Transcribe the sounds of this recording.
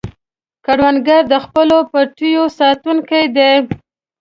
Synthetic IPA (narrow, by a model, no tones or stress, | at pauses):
kaɽwanɡaɾd̪əxpəlopaʈujosɑt̪unkajd̪e